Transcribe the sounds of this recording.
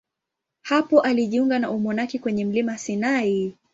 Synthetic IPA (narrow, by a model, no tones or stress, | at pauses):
hapɔʔaliʄiuŋɡanaʔumɔnakikwɛɲɛm̩limasinai